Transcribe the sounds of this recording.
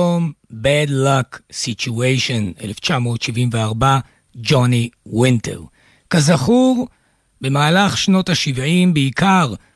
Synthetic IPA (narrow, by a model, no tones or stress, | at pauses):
ombɛdlaksit͡ʃuejʃo̞nḛleft͡ʃamo̞ːtʃivimveaʁba | d͡ʒoniwintʰo̰w | kazaχuʁ | be̞maːlaχʃno̞taʃivʕimbeikaʁ